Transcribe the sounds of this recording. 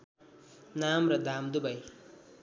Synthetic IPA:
namɾʌd̪ʱamd̪ubaj

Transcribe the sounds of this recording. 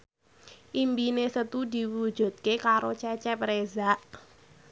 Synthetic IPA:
ʔimbinesət̪ud̪i̤wu̥d͡ʒ̥ṳt̪̚kekaɾot͡ʃɛt͡ʃɛpɾezaʔ

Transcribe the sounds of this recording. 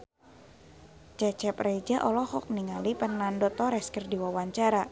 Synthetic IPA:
t͡ʃɛt͡ʃɛpred͡ʒaʔɔlɔhɔk̚niŋalipənandɔt̪ɔɾɛskərdiwawaɲt͡ʃaɾa

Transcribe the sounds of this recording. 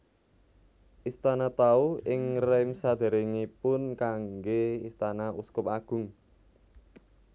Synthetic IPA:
ʔist̪anat̪auɪŋrɛmsad̪̥e̤ɾeŋipʊnkaŋɡeist̪anaʔuskʊp̚aɡ̥ʊ̤ŋ

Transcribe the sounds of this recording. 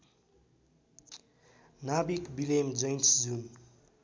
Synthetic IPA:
nabikbilemd͡ʒʌjnsd͡zun

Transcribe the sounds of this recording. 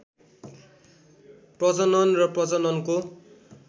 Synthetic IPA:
prʌd͡zʌnʌnrʌprʌd͡zʌnʌnko

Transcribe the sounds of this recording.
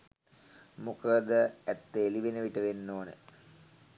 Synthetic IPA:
mukəd̪əæt̪ːeliʋenəʋiʈəʋenːoːnə̰

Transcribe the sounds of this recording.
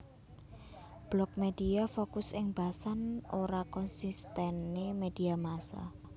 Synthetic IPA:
b̥lɔk̚med̥iafokʊsɪŋb̥asanoɾakɔnsist̪ɛnːemed̥iamasa̰

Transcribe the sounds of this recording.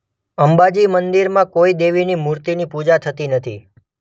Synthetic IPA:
əmbad͡ʒimənd̪iɾmãkoid̪eʋinimuɾt̪inipud͡ʒat̪ʰət̪inət̪ʰḭ

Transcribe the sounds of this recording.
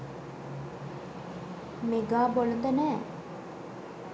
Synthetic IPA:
meɡabolənd̪ənɛ

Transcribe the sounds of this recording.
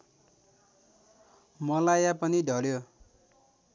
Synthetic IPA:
mʌlajapʌniɖʱʌljo

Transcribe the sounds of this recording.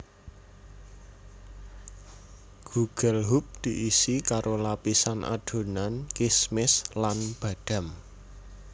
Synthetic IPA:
ɡ̥uɡ̥əlɦup̚d̪̥iʔisikaɾʔolapisanʔa̰ɖ̥o̤nankismɪslanb̥a̤ɖ̪̥a̤m

